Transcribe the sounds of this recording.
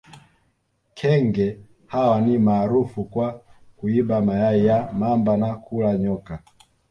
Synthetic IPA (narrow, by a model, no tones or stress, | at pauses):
kʰɛŋɡɛ | hawanimaːɾufukwakuiɓamajaijamambanakʰulaɲɔka